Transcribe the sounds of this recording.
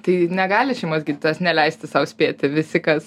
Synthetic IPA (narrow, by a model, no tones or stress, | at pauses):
t̪ɐɪnʲɛɡɑːlʲɪʃʲɛɪmoːsɡʲiːd̪ʲɪt̪ʲɐsnʲɛlʲɛɪsʲt̪ʲɪsɐʊsʲpʲeːt̪ʲɪʋʲɪsʲɪkɐs